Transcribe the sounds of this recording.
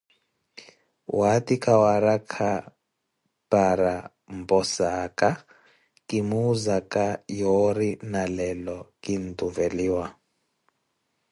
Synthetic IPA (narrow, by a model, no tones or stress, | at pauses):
watikʼawaɾakʰa | paɾa | mpɔsaka | kimuzakajɔɾinalɛlɔkintuvɛliːwa